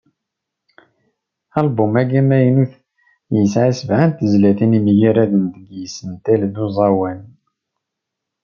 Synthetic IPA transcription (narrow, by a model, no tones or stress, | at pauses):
ælbʊmæɡæmæjənuθ | jəsʕisəvʕant̪əzlæθinimjiɾæðənd̪əɡjəsənt̪æld̪uzˤɑwæn